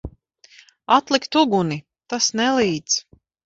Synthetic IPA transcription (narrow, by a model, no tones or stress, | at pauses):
at̪lˠikt̪uɡuni | t̪asnɛlˠiːt̪s